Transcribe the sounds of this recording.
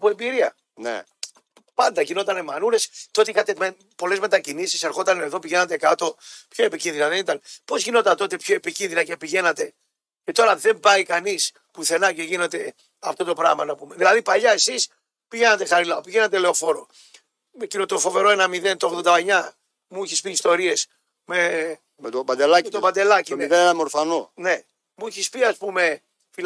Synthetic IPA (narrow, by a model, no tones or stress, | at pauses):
ɐpoe̞mbiɾiɐ | nḛ | pɐnd̪ɐʝino̞t̪ɐnemɐnuɾe̞st̪o̞t̪iixɐt̪eme | po̞le̞zme̞t̪ɐcinisise̞ɾxo̞t̪ɐne̞ðo̞piʝe̞nɐt̪e̞kɐt̪o̞pçoepicinðinɐðenit̪ɐnpo̞zʝino̞t̪ɐnt̪o̞t̪e̞pçoe̞picinðinɐce̞piʝe̞nɐt̪e̞ | ce̞t̪o̞ɾɐðe̞mbɐikɐnis | puθe̞nɐcoʝinet̪e̞ | ɐft̪o̞t̪o̞pɾɐ̰ɣmɐnɐpumeðilɐðipɐʎɐe̞sis | piʝe̞nɐt̪e̞xɐɾilɐopiʝe̞nɐt̪̬ele̞o̞fo̞ɾo̞ | mecinot̪o̞fo̞ve̞ɾo̞enɐmiðe̞nt̪oɣðo̞nd̪ɐeɲɐ | muiçispiːst̪o̞ɾie̞s | me | met̪obɐnd̪elɐmet̪obɐnd̪e̞lɐcioniðenenɐmoɾfɐnone̞ | muiçispiɐspume̞ | fil